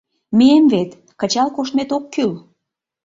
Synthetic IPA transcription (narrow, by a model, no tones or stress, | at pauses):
meemvet̪ | kət͡ɕɑlkoʃt̪met̪okːyl